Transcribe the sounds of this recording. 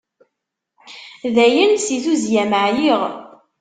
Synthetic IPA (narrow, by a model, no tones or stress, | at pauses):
ðæjənsiθuzjæməʕjiʁ